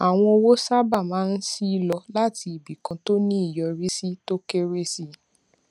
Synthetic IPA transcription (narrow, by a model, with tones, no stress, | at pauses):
a˨w̃ɔ̃˧o˧wo˦sa˦ba˦˨mãː˨˦n̩˦si˦i˧˦lɔ˧la˦ti˧i˨bi˨kã˨˧to˦nĩ˦i˦˨jɔ˧ɾi˦si˦to˦ke˦ɾe˦si˦